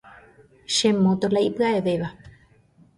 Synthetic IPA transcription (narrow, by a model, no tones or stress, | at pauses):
ʃemːot̪olaipaeβeβa